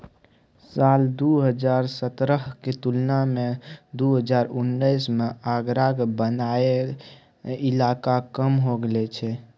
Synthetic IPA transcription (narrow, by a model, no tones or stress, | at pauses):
sald̪uɦəd͡ʒaɾsət̪ɾəɦket̪ulnamed̪uɦəd͡ʒaɾunːəjsmeaɡɾaɡbənae | ilakakəmɦoɡelɛt͡ʃʰɛ